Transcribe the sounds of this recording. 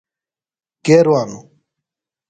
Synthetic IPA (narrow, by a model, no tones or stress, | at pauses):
keːɾwaːnu